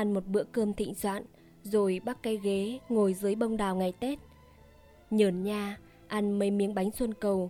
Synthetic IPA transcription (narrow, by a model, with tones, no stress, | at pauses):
ʔa˧nmo˨˩t̚ɓɨ̰˧˥əkəː˧mt̪ʰḭ˧˨ŋ̟swa̰ː˧˨n | zo˨˩jɓa˦˥k̚ka˨˦jɣe˨˦ŋo˨˩jzɨ˨˦əjɓə˧wŋ͡mɗaː˨˩wŋa˨˩jt̪e˦˥t̚ | ɲəː˨˩nɲaː˧ | ʔa˧nmə˨˦jmi˧˩ənɓa˨˦jŋ̟swə˧nkə˨˩w